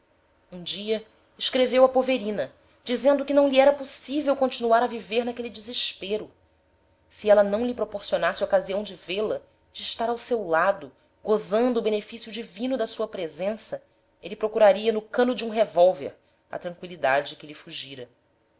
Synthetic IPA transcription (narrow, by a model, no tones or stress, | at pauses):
ũd͡ʒiɐ | ɪʃkɾevewɐpoveɾĩnɐ | d͡ʒizẽnd̪ʊkɪnɐ̃w̃liɛɾɐposivewkõt͡ʃinuaɾɐviveɾnɐkelid͡ʒɪzɪʃpeɾʊ | siɛlɐnɐ̃w̃lipɾopoɾsionasɪɐokaziɐ̃w̃d͡ʒɪvelɐ | d͡ʒɪːʃt̪aɾawsewlad̪ʊ | ɡozɐ̃nd̪ʊːbenefisjʊd͡ʒivĩnʊd̪ɐsuɐpɾezẽsɐ | elipɾokuɾaɾiɐnʊkɐ̃nʊd͡ʒiũɦevowvḛɾ | ɐ̰t̪ɾɐ̃ŋkwilid̪ad͡ʒɪkɪlifuʒiɾɐ